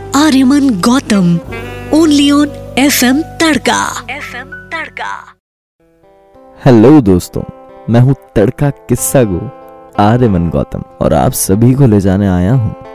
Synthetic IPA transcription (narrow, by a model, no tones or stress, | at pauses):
aːɾjəmɐnɡɔːt̪əmoːnlijoːneːfʰemt̪ɐɽka̰efɛmt̪ɐɽka̰ | hɛloːd̪oːst̪õ̰ːmɛ̃ːɦũt̪ɐɽkakɪsːaɡoːaːɾjəmənɡɔ̰ːt̪ə̰mɔ̰ːɾa̰ːpsɐbʱikoled͡ʒaːneaːjaɦṵ̃ː